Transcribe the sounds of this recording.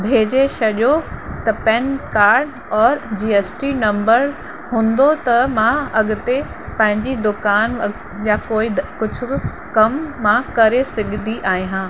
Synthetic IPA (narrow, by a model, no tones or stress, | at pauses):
bʱeːd͡ʑeʃɐʄot̪ɐpɛnkaːɾɖ | ɔːɾd͡ʑiːesʈinɐ̃mbəɾ | ɦũːnd̪ot̪ɐmãɐɠʊ̆t̪e | pɐ̃ɦɪ̃ɲd͡ʑid̪ʊkaːn | jakoːɪkʊd͡ʑʱʊ̆ | kɐmːãkɐɾesɪɡʱd̪ʱiʔaːɦĩɦãː